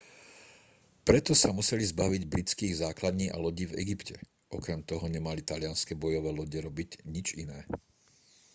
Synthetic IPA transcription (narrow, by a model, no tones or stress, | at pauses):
pɾɛt̪ɔsamusɛlizbaʋiɟbɾit͡skiːɣzaːklad̪ɲiːʔa̰lɔɟiːvɛ̰ɡipcɛ | ʔɔkɾɛmt̪ɔɦɔɲɛmalit̪alɪanskɛbɔjɔʋɛːlɔɟɛɾɔbiɟɲit͡ʃinɛː